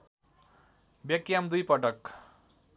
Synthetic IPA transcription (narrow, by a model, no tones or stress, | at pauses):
bjʌkjamd̪ujpʌʈʌk